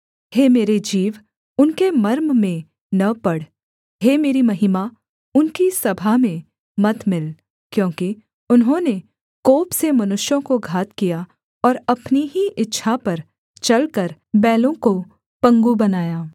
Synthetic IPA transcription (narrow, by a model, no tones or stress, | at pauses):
heːmeːɾed͡ʒiːʋ | ʊnkemɐɾmmẽ | nɐpɐɽ | ɦeːmeːɾimɐɦɪma | ʊnkisɐbʱamẽ | mɐt̪mɪl | kjõːki | ʊnɦõne | koːpsemɐnʊʃjõkoɡʱaːt̪kija | ɔːɾɐpniɦiʔɪtːʃʰapɐɾ | t͡ʃɐlkɐɾ | bɛːlõko | pɐ̃ŋɡubɐnaːjaː